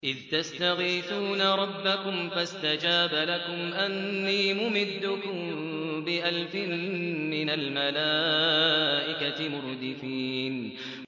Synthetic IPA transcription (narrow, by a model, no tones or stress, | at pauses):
ʔɪðt̪ast̪aɣiːθuːnaɾˤɑbːakʊmfast̪ad͡ʒaːbalakʊmʔanːiːmʊmɪd̪ːʊkʊm | bɪʔalfɪmːɪnalmalaː | ʔɪkaɪmʊɾd̪ɪfiːn